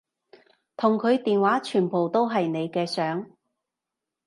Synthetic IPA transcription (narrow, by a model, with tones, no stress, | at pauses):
t̪ʰʊ˨˩ŋkʰɵ˨˧ɥt̪iː˨nwaː˨˥t͡ʃʰyː˨˩npo˨˩wt̪o˥wɦɐ˨jne˨˧jkɛː˧sœː˨˥ŋ